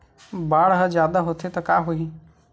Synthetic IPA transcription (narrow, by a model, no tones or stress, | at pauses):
baːɽɦəd͡ʒjaːd̪aɦot̪ʰet̪ɐkaːɦoiː